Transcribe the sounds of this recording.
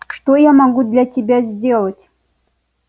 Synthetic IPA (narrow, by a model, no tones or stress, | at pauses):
ʂt̪ojɑmɑɡud̪lʲatʲebʲæzʲdʲelˠə̆tʲ